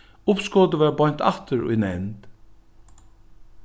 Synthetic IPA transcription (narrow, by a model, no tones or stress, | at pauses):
ʊpskoːd̪əʋɑːbɔʏnt̪ʰɑ̰t̪ʰəɹɔ̰ɪnɛnd̪̥